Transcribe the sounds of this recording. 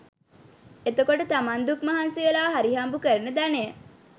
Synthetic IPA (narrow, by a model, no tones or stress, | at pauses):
et̪okoʈət̪amand̪ukmaɦanseʋelaːɦaɾiɦambukəɾənəd̪anejə